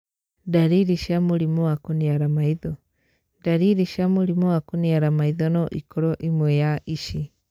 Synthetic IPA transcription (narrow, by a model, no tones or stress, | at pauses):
daɾiɾiʃamoɾimɔakoniaɾamaiðɔ | daɾiɾiʃamoɾimɔakoniaɾamaiðɔnɔʔḭkɔɾɔʔimwɛjaʔiʃi